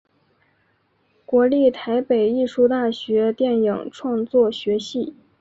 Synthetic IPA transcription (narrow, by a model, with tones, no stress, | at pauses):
kwɔ˧˥li˥˩t̪ʰa˧˥ɪpe˨˩ɪi˥˩ʂu˥˧t̪a˥˩ɕɥɛ˧˥t̪jɛ˥˩nji˨˩ŋʈ͡ʂʰwɑ˥˧ŋt͡swɔ˥˩ɕɥɛ˧˥ɕi˥˩